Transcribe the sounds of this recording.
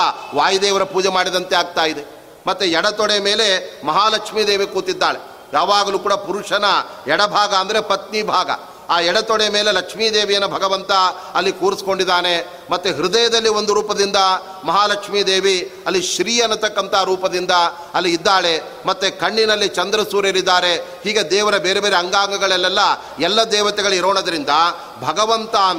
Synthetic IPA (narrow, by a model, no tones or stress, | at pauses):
ʋaːjɐd̪eːʋɐɾɐpuːd͡ʒɛmaːɽid̪ɐnt̪eaːɡ̚t̪aːjid̪e | mɐt̪ːuɛɽɐt̪ɔɽemeːle̞mɐɦaːlɐkʂmid̪eːʋikuːt̪id̪ːaːɭe | jaːʋaːɡɐluːkuːɽɐpuɾuʂɐnɐɛɽɐbʱaːɡɐɐnd̪ɐɾe̞pɐt̪̚nibʱaːɡɐ̰ | aːjɛɽɐt̪ɔɽemeːle̞lɐkʂmiːd̪eːʋijɐnːubʱɐɡɐʋɐnt̪ɐ | ɐlːikuːɾisi̥ko̞ɳɖid̪ːaːne̞ | mɐt̪ːuɦiɾud̪ɐjɐd̪ɐlːiond̪uɾuːpɐd̪ind̪ɐ | mɐɦaːlɐkʂmiːd̪eːʋiɐlːiʃɾiːjɐnːɐt̪ɐkːɐnt̪ɐɦaːɾuːpɐd̪ind̪ɐ | ɐlːiːd̪ːaːɭe̞ | mɐt̪ːukɐɳːinɐlːit͡ʃɐnd̪ɾɐsuːɾeɾid̪ːaːɾe̞hiːɡed̪ɛːʋɐɾɐbeːɾe̞beːɾeɐŋɡaːŋɡɐɡɐɭɐlːɛlːɐ | ɛlːɐd̪ɛːʋɐt̪ɛɡɐɭuiɾoːɳɐd̪ɐɾind̪ɐ | bʱɐɡɐʋɐnt̪a